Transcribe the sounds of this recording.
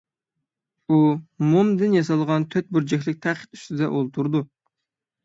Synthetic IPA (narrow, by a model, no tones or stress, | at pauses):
umomd̪ɪnjɑsɑlˠʁɑnt̪ʰøt̪̚buɾd͡ʒɛkʲlɪk̚ʲt̪ʰæqʰə̥t̪y̥st̪ɪd̪ɛ̰ʔolˠt̪ʰuɾd̪u